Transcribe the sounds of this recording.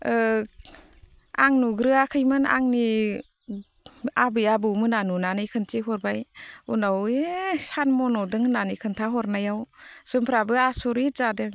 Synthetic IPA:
aŋnuɡɾɯakʰɯjmɯna̰ŋni | abɯjabɯwmɯnanunanɯjkʰɯntiɦɔɾbajunawesanmɔnɔdɯŋnanɯkʰɯntʰaɦɔɾnajawz̥ɯmpʰɾabɯasɔɾizadɯŋ

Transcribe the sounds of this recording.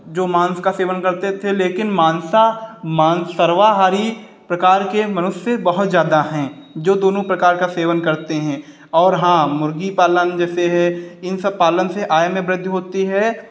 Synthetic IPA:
d͡ʒoːmãːnskaseːʋənkɐɾt̪et̪ʰeleːkɪnmãːnsamaːnsəɾʋaɦaːɾi | pɾɐkaːɾkemɐnʊsːjebɐɦʊt̪zjaːd̪aɦɛ̃ːd͡ʒoːd̪oːnõpɾɐkaːɾkaseːʋənkɐɾt̪eɦɛ̃ː | ɔːɾɦãːmʊɾɡipaːlənd͡ʒɛːseɦɛɪnsəb̚paːlənseʔaːjəmẽbɾɪd̪ʱjɦoːt̪iɦɛː

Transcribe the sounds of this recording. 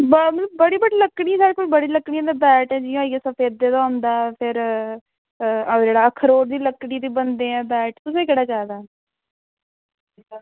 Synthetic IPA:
bmələbːəɽiːbəɽiːləkːɽisaːɾkoʃbəɽiːləkːɽijãːd̪aːbɛːʈɛ̃ːd͡ʒij̃aːiːeːsəpʰeːd̪̚ːeːd̪aːʊ̃nd̪aːpʰɪɾ | d͡ʒeːɽaːkʰəɾoːɾd̪iːləkːɽiːt̪iːbənd̪eːɛ̃ːbɛːʈt̪ʊs̬ẽːkeɽaːt͡ʃaːd̪aː

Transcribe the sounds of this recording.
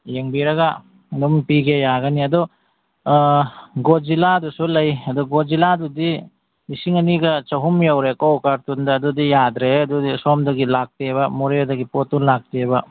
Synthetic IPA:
jeŋbiɾɐɡa | dɔmpiɡejaɡɐniɐdɔ | ɡoziladusulɐjɐdɔɡoziladudi | nisiŋɐniɡɐt͡ʃɐɦumjawɾekɔwkaɾtundɐːdudijad̪ɾeɐdudisɔmdɐɡilak̚tebɐmuɾedɐɡipotːunlak̚tebɐ

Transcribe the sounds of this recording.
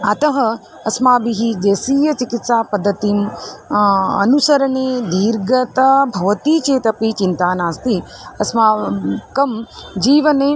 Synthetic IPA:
ɐt̪ɐɦɐ | ɐsmaːbiɦid͡ʒeːsiːjɐt͡ʃikit̪saːpɐd̪ʱːɐt̪im | ɐ̰nusɐɾɐneːd̪iːɾɡɐt̪ɐbʱɐʋɐt̪iːt͡ʃeːt̪ɐpit͡ʃint̪aːnaːst̪i | ɐsmaːkɐmd͡ʒiːʋɐne

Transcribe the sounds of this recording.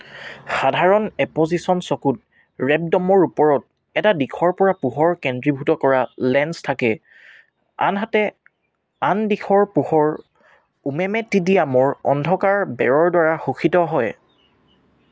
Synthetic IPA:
xadʱaɹɔnɛpozisɔnsɔkut̚ | ɹɛb̚dɔmɔɹupɔɹɔt̚ | ɛtadikʰɔɹpɔɹapuɦɔɹkɛndɹibʱutɔkɔɹalɛnstʰakɛ | a̰nɦatɛ | andikʰɔɹpuhɔɹ | umɛmɛtidijamoɹɔ̰ndʱɔkaɹbɛɹɔɹdwaɹaxuxʰitɔɦɔj

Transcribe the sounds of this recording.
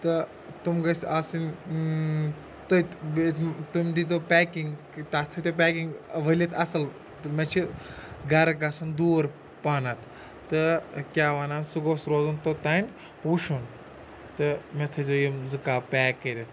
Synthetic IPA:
t̪ɨ | t̪umɡɐsaːsin | t̪ɐ | t̪umʲd̪it̪̬opɛːkiŋɡ | t̪aːt̪ʰɐt̪opʲɛːkiŋɡʋɐlʲit̪ʰɐsɐl | t̪met͡ʃʰiɡɐɾɡɐsund̪uːɾ | paːnɐt̪ʰː | ɨkʲaːʋɐnaːnsɨɡoːsɾoːzɐnt̪ot̪aːnʲ | wuʃun | t̪ɨmet̪ʰɐzojimzɨkaːpɛːkːəɾʲɐt̪ʰ

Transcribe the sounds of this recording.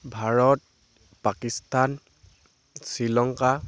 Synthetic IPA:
bʱaɹɔt̚ | pakistan | silɔŋka

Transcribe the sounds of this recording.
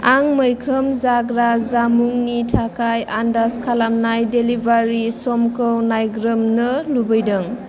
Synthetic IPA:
aŋməjkʰəmzaɡɾazamuŋnitʰakʰajandaskʰalamnajdelibaɾisɔmkɯwnajɡɾɯmnɯlubəjdɯŋ

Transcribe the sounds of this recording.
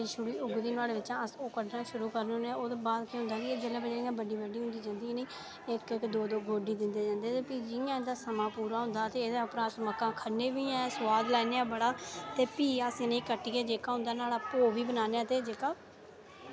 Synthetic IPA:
iʃʊɽiːʊɡd̪iːnaːleːʋɪt͡ʃãːəsoːkəɖnaːʃʊɾuːkəɾnːoːnẽoːd̪eːbaːd̪kẽɦʊ̃nd̪aːkieːd͡ʒəlẽːbəd͡ʒeːɪjãːbəɖiːbəɖiːɦʊ̃nd̪iːd͡ʒãːnd̪iːɛ̃nĩː | ɪkɪkd̪oːd̪oːɡoːɖiːd̪ɪnd̪eːd͡ʒãːnd̪eːt̪eːpiːd͡ʒɪjãːẽːd̪aːsəmãːpuːɾaːɦʊ̃nd̪aːt̪eːeːd̪aːəpnãːsməkːãːkʰəɾneːʋiːɛːsʊwaːd̪lɛːneːãːbəɽaːt̪eːpiːasĩnẽĩkəʈːiːkeːd͡ʒeːkaːɦʊ̃nd̪aːnaːlaːpoːʋiːbənaːneãːt̪eːd͡ʒeːkaː

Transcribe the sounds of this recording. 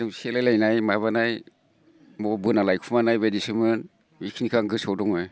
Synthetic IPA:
dɯŋselajlajnajmaβanaj | mɔbɯnalajkʰumanajbedisimɯn | wikʰinikʰaŋɡɯsɔwdɔŋnaj

